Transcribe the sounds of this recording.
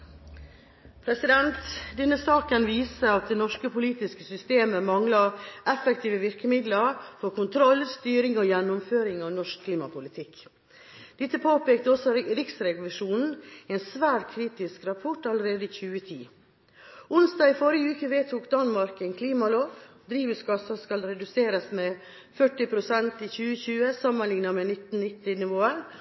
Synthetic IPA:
pʰɾɛsɪd̪ɛnt̪d̪ɛnːəsɑːkənʋiːsəɑt̪̚d̪eːnɔʂkəpʰʊliːt̪ɪskəsʏst̪eːməmɑŋlɑʔɛfɛkt̪ʰiːʋəʋɪɾkəmɪd̪ləɾfɔɾkʊnt̪ʰɾɔlst̪yːɾɪŋoːjɛnːʊmføːɾɪŋɑʋnɔʂkʰliːmɑpʰʊlɪt̪ʰɪk | d̪̥ɛt̪ːəpʰoːpeːkt̪əɔsɔɾɪksɾɛɡʊlʊʂuːnn̩ɛːnsʋæːʈkʰɾiːt̪ɪskɾɑpʰɔʈːɑləɾeːd̪əiçʉːət̪ʰḭː | ʊnsd̪ɑːɡɪfɔɾɪəʉːkəʋeːt̪ʰuːkd̪ɑnmɑɾkɛŋkʰliːmɑloːʋ | d̪ɾiːʋəsɡɑsɑskɑlɾɛd̪ʉseːɾəsmɛ | fœʈːɪpʰɾʊsɛnt̪içʉːəçʉːəsɑmːənlɪŋnɑmɛnɪt̪n̩nɪt̪ːɪnɪʋoːəɾ

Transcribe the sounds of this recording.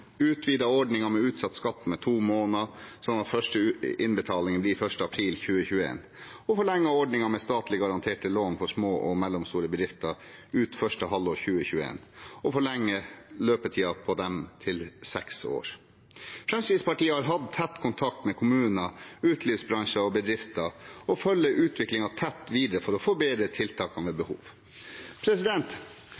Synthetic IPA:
ʉːt̪ʰʋiːd̪ɑɔɖnɪŋɑmɛʉːt̪sɑt̪ːskɑt̪ːmɛt̪ʰuːmoːnɑsɔnːɑt̪fœʂʈəɪnbət̪ʰɑːlɪŋənblifœʂʈəɑpʰɾiːlçʉːəçʉːəḛːn | ɔfɔɭɛŋːəɔɖɳɪŋɑmɛst̪ɑːt̪lɪɡɑɾɑnt̪ʰeːʈəloːnfɔʂmoːʔɔmɛlːʊmst̪uːɾəbəd̪ɾɪft̪ɑ | ʉːt̪fœʂʈəɦɑlːɔːɾçʉːəçʉːəḛːnɔfɔɭɛŋːəløːpət̪ʰiːɑpʰɔd̪ɛmt̪ʰɪlsɛkso̰ːɾ | fɾɛmsiːspɑʈiːəhɑɾɦɑd̪t̪ʰɛt̪ːkʰʊnt̪ʰɑk̚t̪mɛkʰʊmʉːnəʉːt̪ʰliːfsbɾɑŋʂəɔbəd̪ɾɪft̪ɑɔfœlːəʔʉːt̪ʰʋɪklɪŋɑt̪ʰɛt̪ːʋiːd̪ɾəfɔɾɔfoːbeːd̪ɾət̪ʰɪlt̪ʰɑːkɑnʋɛbəhṵːʋ | pʰɾɛsɪd̪ɛnt̪

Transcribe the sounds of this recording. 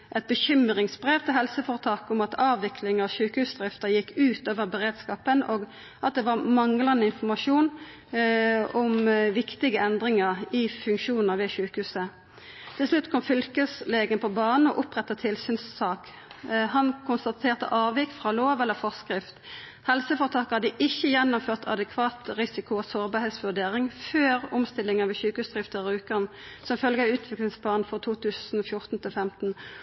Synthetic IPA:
ʔɛt̪̚bəɕʏmʁɪŋsbʁeːʋt̪ʰɪlɦɛlsəfoːʁt̪ʰɑːkʊmɑt̪ʰɑːʋɪkʰlɪŋəɑʃʉːkəhʉːsd̪ʁɪft̪əʁjɪkːʉːt̪oːʋəʁbəʁeːd̪skɑːpənoːɡ | ʔɑt̪̚d̪ɛːʋɑːʁmɑŋlɑnəɪnfɔmɑʂuːn | ɔmʋɪkt̪ɪɡəɛnd̪ʁɪŋəʁɪfʉŋkʃuːnəʁʋeːʃʉːkəhʉːsə | t̪ʰɪlslʉt̪ːkʰɔmfʏlkəsleːɡənpʰɔbɑːnn̩ɔ̰ʔʊpʁɛt̪ːɑt̪ʰɪlsyːnsːɑːk | hɑnkʰʊnst̪ɑt̪ʰeːʁt̪ə̰ʔɑːʋɪkfʁɑːloːʋɛlːəʁfɔskʁɪft̪ | hɛlsəfɔʁt̪ʰɑːkəɑd̪iʔɪçːəjɛnːʊmføːʁt̪ʰɑ̰d̪ɛkʰʋɑːt̪ʁɪsɪkʊosɔʁbɑʁhɛːt̪sʋʉd̪eːʁɪŋføːʁʊmst̪ɪlːɪŋəʋɛçʉːkəhʉːsd̪̥ʁɪft̪əʁʉːkən | sɔmfœlɡəɑʉːt̪ʰʋɪklɪŋsplɑːʁnn̩fɔʁt̪ʰuːt̪ʰʉːsn̩ɔfjʊʁt̪n̩t̪ʰɪlfɛmt̪n̩

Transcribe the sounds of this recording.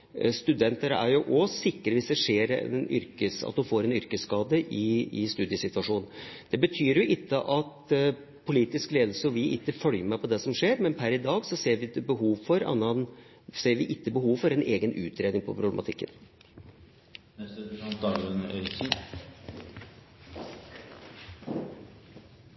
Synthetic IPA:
st̪ʉd̪ɛnt̪əɾəæ̰ɾjʊʔɔsɪkːɾʋɪsd̪ɛʂeːɾɛ̰nʏ̰ɾkəsɑ̰t̪̚d̪ʉfoːɾɛnʏɾkəskɑːd̪əʔɪɪst̪ʉːd̪jəsɪt̪ʋɑʂuːnn̩d̪̥ɛbət̪ʰyːɾjʊʔɪt̪ːəʔɑt̪ | pʰʊliːt̪ɪskleːd̪l̩səɔʋɪʔɪ̰t̪ːəfœljəmæɪpʰɔd̪ɛsɔmʂeːɾmɛnpʰæɾɪd̪ɑːɡsɔseːɾʋɪəbəɦuːʋfɔɾɑ̰nɑn | seːɾʋɪʔɪt̪ːəbəhuːʋfɔɾɛnʔeːɡənʔʉ̰ːt̪ʰɾeːd̪ɪŋpʰɔ̰pʰɾʊblɛmʔɑt̪ʰɪkːə̰n | d̪ɑːɡɾʉnœn

